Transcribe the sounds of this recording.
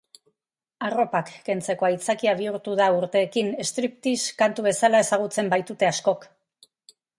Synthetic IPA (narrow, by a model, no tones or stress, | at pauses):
aro̞pakːe̞nt͡se̞ko̞ajt͡sakiaβ̞iuɾt̪uð̞auɾt̪e̞ːkine̞st̪ɾip̚t̪iskant̪uβ̞e̞salae̞saɣ̞ut͡se̞mbajt̪ut̪e̞asko̞k